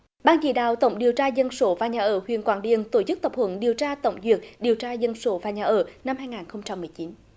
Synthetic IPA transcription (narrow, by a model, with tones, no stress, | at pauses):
ɓaː˧nzḭ˧˨ɗa̰ː˧˨wt̪ə̰˧˩wŋ͡mɗi˨˩əwt͡ɕaː˧zə˧nso˧˨˦vaː˨˩ɲaː˨˩ʔəː˧˩hwḭ˧˨ənkwaː˧˩nɗḭ˧˨ənt̪o˧˩t͡ɕɨ˦˥k̚t̪ə˨˩p̚hwə̰˧˩˦nɗi˨˩əwt͡ɕaː˧t̪ə̰˧˩wŋ͡mzi˨˩ək̚ɗi˨˩əwt͡ɕaː˧zə˧nso˧˨˦vaː˨˩ɲaː˨˩ʔəː˧˩na˧mɦaː˧jŋaː˨˩nxə˧wŋ͡mt͡ɕa˧mːɨ˨˩əjt͡ɕi˨˦n